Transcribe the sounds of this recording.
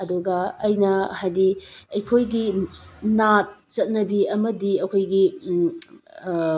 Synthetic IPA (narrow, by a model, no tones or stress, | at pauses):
ɐduɡɐːjnɐhajdiɐjkʰojɡinat̚t͡ʃɐt̚nɐbiɐmɐdiɐkʰojɡi